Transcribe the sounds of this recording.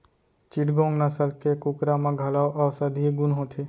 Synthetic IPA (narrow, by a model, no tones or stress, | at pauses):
t͡ʃiʈɡõːŋɡnasəlkekʊkɾamãɡʱɐlaːʔaːʊsəd̪ʱieɡʊnɦõt̪ʰe